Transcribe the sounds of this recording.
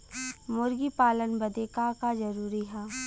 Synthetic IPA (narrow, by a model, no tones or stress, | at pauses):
mʊɾɡipaːlənbɐd̪ekakazɐɾuːɾiɦɛː